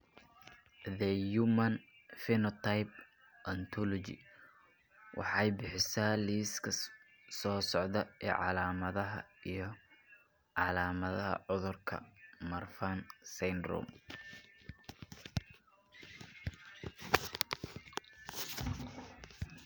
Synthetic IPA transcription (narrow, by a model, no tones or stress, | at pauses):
ðɐjumɐn | fɪnɔt̪ʰajp̚ | ʔɐnt̪ʰɔlɔt͡ʃɪ̰ | wʔɑ̰ħɑjbɪħɪsaːliːskʰɐ | sɔːsɔʕd̪ɐɛːʕɑ̰laːmɐðɐɦɐ̰ijɞ | ʕɑlaːmɐðɐɦɐ̰ʕʊðʊrkʰɐ̰mɐrfansɛnd̪rɔ̰m